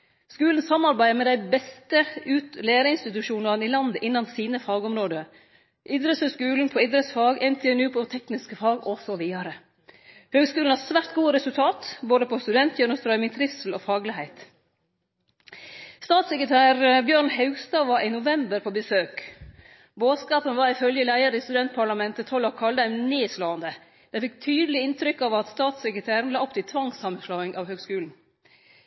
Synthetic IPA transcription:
skʉːln̩sɑmɑɾbæɪəmɛːd̪æɪbɛst̪əʉːt̪leːɾəɪnst̪ɪt̪ʉʃuːnɑɾnilɑnd̪əʔɪnːɑnsiːnəfɑːɡɔmɾoːd̪ə | ʔɪd̪ɾəsəskʉːln̩pʰɔɪd̪ɾəsfɑːɡɛnt̪ʰɛɛnʉːpʰɔt̪ʰɛknɪskəfɑːɡɔsɔʋiːɑɾə | høːɡskʉːn̩hɑːsʋæːɾt̪̚ɡuːəɾɛsʉlt̪ʰɑːt̪boːd̪əpʰɔst̪ʉd̪ɛnt̪jœːnəst̪ɾœʏmɪŋt̪ʰɾɪfsl̩ɔfɑːɡlɪhæɪt̪ | st̪ɑːt̪sɛkɾət̪ʰæːɾbjøːɾnhɑʉɡst̪ɑʋɑʔɪnʊʋɛmbəɾpʰoːbəsøːk | boːskɑːpənʋɑːɾɪfœljəlæɪəɾəist̪ʉd̪ɛnt̪̚pʰɑɭɑmɛnt̪ət̪ʰɔlɑkʰɑld̪æɪmneːsloːɑnd̪ə | d̪̥ɛɪfɪkt̪ʰyːd̪əlɪɪnt̪ʰɾʏkːɑʋɑt̪st̪ɑːt̪sɛkɾət̪ʰæːɾn̩lɑːɔp̚t̪ɪlt̪ʰʋɑŋsɑmənslɑːɡɪŋʔɑʋhøːɡskʉːln̩

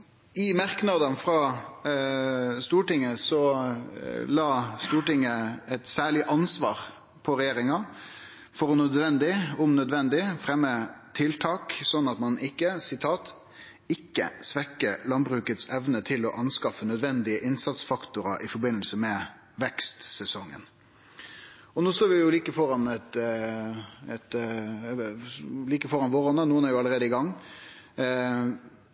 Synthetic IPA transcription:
ɪmɑɾknɑd̪ənfɾɑ | st̪uːʈɪŋːəsɔ | lɑːst̪uːʈɪŋːəɛt̪sæːɭɪʔɑnsʋɑːɾ | pʰɔɾɛjeːɾɪŋɑ | fɔɾɔnœd̪ʋɛnd̪ɪʊmnœd̪ʋɛnd̪ɪfɾɛmːət̪ʰɪlt̪ʰɑːksɔnːɑt̪mɑnʔɪkːəsɪt̪ʰɑːt̪ | ɪkːə̰sʋɛkːəlɑnbɾʉːkət̪sɛʋnət̪ʰɪlɔʔɑnskɑfːənœd̪ʋɛnd̪ɪəʔɪnsɑt̪sfɑkt̪ʊɾɑʔɪfɔɾbɪnːəlsəmɛ | ʋɛkst̪sɛsɔŋːə̰n | ɔnoːst̪oːɾʋɪjʊliːkəfɔɾɑnɛt̪ | ɛt̪ | liːkəfɔɾɑnʋoːɾɔnənuːənæɾjʊɑləɾeːd̪əɪɡɑŋː

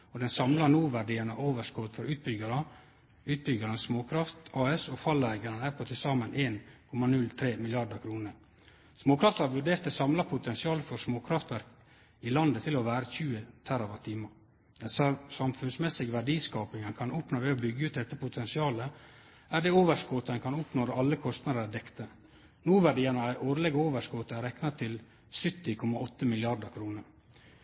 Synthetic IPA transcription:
ɔd̪ɛnsɑmlɑnuːʋæɖiːənəʔoːʋəʂkɔːt̪fɔɾʉːt̪̚bʏɡɑɾə | ʉːt̪̚bʏɡɑɾənsmoːkʰɾɑft̪ɑːɛsɔfɑlæɪɡɑɾənæɾpʰɔt̪ʰɪsɑːmənʔeːnkʰɔmɑnʉlt̪ʰɾeːmɪlɪɑɖəkʰɾuːnəɾ | smoːkʰɾɑft̪ɑɾʋʉɖeːɾt̪əsɑmlɑpʰʊt̪ʰɛnsɪɑːləfɔɾsmoːkʰɾɑft̪ʋæɾk | ɪlɑnd̪ət̪ʰɪlɔʋæːɾəçʉːət̪ʰæɾoːʋɑt̪ʰiːmɑ | d̪ɛnsɑmfʉnsmɛsɪɡʋæɖiːskɑːpɪŋɛnkʰɑnʊpnoːʋɛobʏɡːəʉːt̪̚d̪ɛt̪ːəpʊt̪ʰɛnsɪɑːlə | æɖɛːoːʋəʂkoːt̪əɛnkɑnʊpnoːɾəʔɑlːəkʰɔst̪nɑd̪əɾædɛkt̪ə | nuːʋæɖɪjɛnəæɪʔoːɾlɛɡoːʋəʂkot̪əæɾɛknɑt̪ʰɪl | sʏt̪ːɪkʰɔmɑɔt̪ːəmɪlɪɑɖəkʰɾuːnəɾ

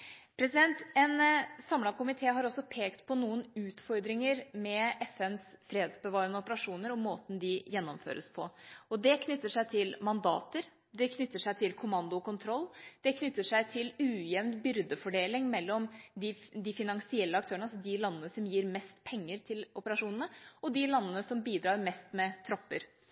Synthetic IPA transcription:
pʰɾɛsɪd̪ɛnt̪ɛnsɑmlɑkʰʊmɪt̪ʰeːɦɑɾɔsːɔpʰeːkt̪pʰɔnuːənʉːt̪fɔɾd̪ɾɪŋəɾmɛʔɛfɛnsfɾeːd̪sbəʋɑːɾənəʊpəɾɑʂuːnəɾɔmmːoːt̪n̩d̪ɪjɛnːɔmfø̰ːɾʔə̰spʰɔɔd̪ɛkʰnʏt̪ːəʂæɪt̪ʰɪlmɑnd̪ɑ̰ːt̪əɾ | d̪ɛkʰnʏt̪ːəʂæɪt̪ʰɪlkʰʊmɑnd̪ʊkʊnt̪ʰɾɔlːd̪̥ɛkʰnʏt̪ːəʂæɪt̪ʰɪlʉːjɛʋnbʏɾd̪əfɔɖeːlɪŋmɛlːɔmd̪ɪd̪ɪfɪnɑŋsɪɛlːəɑk̚t̪ʰøːəɳɑsɔd̪ɪlɑnːənəsɔmjiːɾmɛst̪pʰɛŋːəɾt̪ʰɪlɔpəɾɑʂuːnənəɔd̪ɪlɑnːənəsɔmbiːd̪ɾɑːɾmɛst̪mɛt̪ʰɾɔpːəɾ

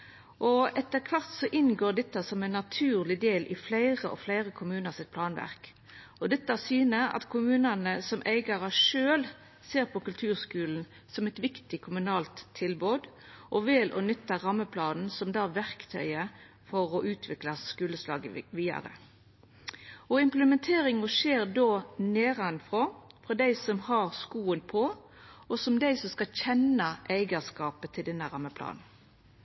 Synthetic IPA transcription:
ʔɔɛt̪ːəʁkʰʋɑʁt̪sɔʔɪnɡoːɖ̪ɛt̪ːɑsɔmɛɪnːɑt̪ʰʉːʁlɪd̪eːlʔɪ̰flæɪʁəʔɔ̰flæɪʁəkʰʊmʉːnəʁsɪt̪̚pʰlɑːnʋæ̰ʁk | ɔd̪ɛt̪ːɑsyːnəɑ̰t̪kʰʊmʉːnɑnəsɔmʔæɪɡɑʁəʂøːl | seːʁpʰɔkʉlt̪ʰʉːʁskʉːln̩ | sɔmɛt̪ʋɪkt̪ɪkʰʊmʉnɑːlt̪ʰːɪlboːd̪ | ʔɔʋɪlʔɔ̰nʏt̪ːəɾɑmːəpʰlɑːd̪n̩sɔmd̪ɑːʋæʁkt̪ʰœ̰ʏə | fɔʁɔʔʉːt̪ʰʋɪklɑskʉːləslɑ̰ːɡəʋiːd̪ɑ̰ɾə̰ | ɔɪmpləmɛnt̪ʰeːɾɪŋɔʃeːɾd̪oːneːɾɑnfʁoːfʁɔd̪æɪsɔmhɑʁskuːənpʰɔ | ɔsɔmd̪æɪsɔmskɑlçɛnɑʔæɪɡəskɑːpət̪ʰɪld̪ɛnːəɾɑmːəpʰlɑ̰ːd̪n̩

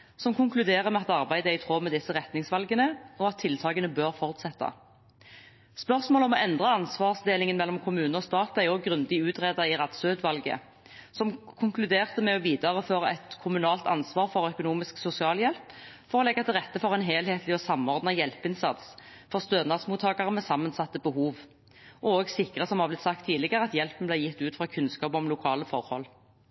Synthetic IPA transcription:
sɔmkʰʊŋklʉd̪eːʁəmɛɑt̪ɑʁbæɪd̪əæɪt̪ʰʁoːmɛd̪ɪsːəʁɛt̪nɪŋsʋɑlɡənəɔɑt̪ʰːɪlt̪ʰɑːɡənəbøːʁfɔʁt̪sɛt̪ːɑ̰ | spœʁsmoːlɔmɔɛnd̪ʁɑɑnsʋɑːʁsd̪eːlɪŋənmɛlːɔmkʰʊmʉːnəɔst̪ɑːt̪æɔɡʁʉnd̪ɪʉːt̪ʁeːd̪ɑɪʁɑt̪søʉd̪ʋɑlɡə̰ | sɔmkʰʊŋklʉd̪eːʁt̪əmɛɔʋiːd̪ɑʁəføːʁɑʔɛt̪kʰʊmʉnɑːlt̪ɑ̰nsʋɑːʁfɔʁœkʊnuːmɪsksʊsɪɑːljɛlpfɔʁɔlɛɡːɑt̪ʰɪlʁɛt̪ːəfɔʁɛɪnɦeːlheːt̪ʰlɪɔsɑmːɔʁd̪nɑjɛlpɪnsɑt̪sfɔʁst̪øːd̪nɑd̪smuːt̪ʰːɑːkɑʁəmɛsɑmːənsɑt̪ːəbəɦuːʋ | ʔɔoːɡsɪkʁəsɔmhɑʁblɪt̪sɑk̚t̪ʰːiːd̪lɪɡəʁəɑt̪jɛlpən̩blæɪjɪt̪ːʉːt̪fʁɑkʰʉnskɑːpɔmlʊkʰɑːləfɔʁhɔ̰l

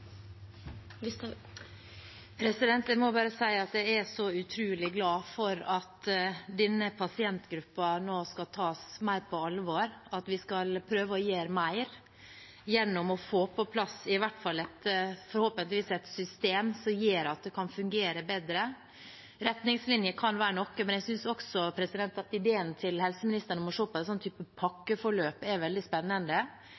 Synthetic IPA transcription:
pʰɾɛsɪd̪ɛnt̪jæɪmɔbɑːɾəsæɪɑt̪̚d̪æɛsɔʉt̪ʰɾʉːlɪɡlɑːfɔɾɑt̪d̪ɛnːəpʰɑsɪɛnt̪ɡɾʉpːɑnoːskɑt̪ʰɑːsmæɪɾpʰɔɑlʋoːɾɑt̪ʋɪskɑlpʰɾøːʋəɔjeːɾmæɪɾ | jɛnːɔmɔfoːpʰɔpʰlɑsɪʋæʈfɑlːɛt̪fɔɾhoːpənt̪lʋiːsɛt̪sʏst̪eːmsɔmjeːɾɑt̪̚d̪ɛkʰɑnfʉŋɡeːɾəbɛd̪ɾə | ɾɛt̪nɪŋslɪnjəkʰɑnʋæːɾəɳɔkːəmɛnɛɡsʏnsɔksɔpʰɾɛsɪd̪ɛnt̪ɑt̪ɪd̪eːənt̪ʰɪlhɛlsəmɪnɪst̪əɳəmɔʂoːpɔɛt̪sɔnt̪ʰyːpəpʰɑkːəfɔɭøːpɛʋɛld̪ɪspɛnːənd̪ə

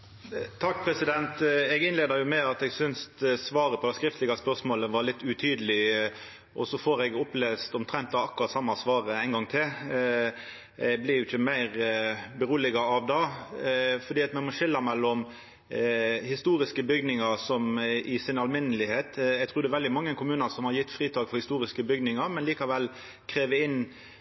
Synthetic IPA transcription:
t̪ʰɑkːpʰɾɛsɪd̪ɛnt̪ɛɡɪnleːd̪əɾjʊmɛɑt̪ɛɡsʏnst̪sʋɑːɾəpʰɔd̪ɛskɾɪft̪lɪɡɑspœɾsmoːləʋɑɾlɪt̪ːʉt̪ʰyːd̪əlɪ | ʔɔ̰sɔfɔɾɛɡʊpleːst̪ɔmt̪ʰɾɛnt̪ːɑɑkːʊɾɑt̪sɑmːɑsʋɑːɾəæɪnɡɑŋt̪ʰɪl | ɛɡblɪɾjʊɪçəmæɪɾbəɾuːlɪɡɑɑʋd̪ɑ | fɔɾd̪iːɑt̪nɛmɔʃɪlːəɾmɛlːɔm | hɪst̪uːɾɪskəbʏɡnɪŋəɾsɔmɪsɪnɑlmɪnːəlɪheːt̪ɛɡ̚t̪ʰɾʉːɾd̪ɛʋɛld̪ɪmɑŋːəkʰʊmʉːnəsɔmhɑɾjɪt̪ːfɾiːt̪ʰɑːkfɔɾhɪst̪uːɾɪskəbʏɡnɪŋɑɾmɛnliːkɑʋɛlː | kʰɾeːʋəɪnː

